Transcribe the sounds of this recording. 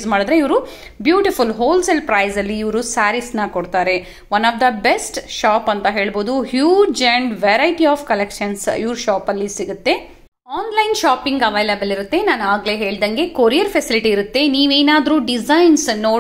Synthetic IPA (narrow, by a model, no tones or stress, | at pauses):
smaːɽɐd̪ɾe̞iʋɾu | bjuːʈifulɦoːlsɐlpɾɐjzɐlːiːʋɾusaːɾisnɐkɔɽt̪aːɾe̞ | ʋɐnːaːfd̪ɐbesʈʃaːpɐnt̪ɐɦe̞ːɭbo̞ːd̪uhjuːd͡ʒɐɳɖʋeɾɐjʈiaːfkɐlekʃɐnsḭʋɾuʃaːpɐlːisiɡut̪ːe̞ | aːnlɐjnʃaːpiŋɡɐʋɐjlɐbɐliɾut̪ːe̞naːnaːɡle̞ɦe̞ːɭd̪ɐŋɡe̞koɾijɐɾpʰɐsiliʈiːɾut̪ːe̞niːʋeːnaːd̪ɾuɖizɐjnsno̞ː